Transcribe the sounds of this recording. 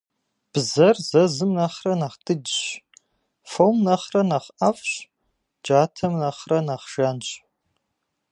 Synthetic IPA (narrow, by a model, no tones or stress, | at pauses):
b̥zɐrzɐzɨmnɐχrɐnaχtʰɨdɕ | fowmnɐχrɐnaχɐfɕ | d͡ʒaːtʰɐmnɐχrɐnaχʒ̥anɕʼ